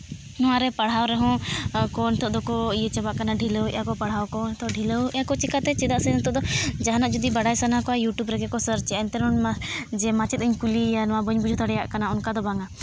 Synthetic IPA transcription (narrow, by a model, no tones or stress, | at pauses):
nɔwaɾɛpaɽ̤awɾɛɦɔ̃kɔnt̪ɔʔd̪ɔkɔijet͡ʃɛbaʔkanaɖʱiləwjakɔpaɽ̤awkɔt̪ɔɖʱiləwjakɔt͡ʃikat̪ɛt͡ʃɛd̪aʔsɛnt̪ɔʔd̪ɔd͡ʒaɦanaʔd͡ʒud̪ibaɽajsanakɔajuʈjubɾɛkɛkɔsəɾt͡ʃɛant̪ɛɾɔnmad͡ʒɛmat͡ʃɛt̪̚əɲkulijanɔwabəɲbud͡ʒʱut̪ɔɽɛjaʔkanaunkad̪ɔbaŋa